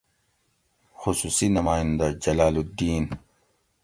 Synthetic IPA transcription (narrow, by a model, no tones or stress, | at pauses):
xʊsuːsinɐmaːjɪnd̪ad͡ʒɐlaːlud̪iːn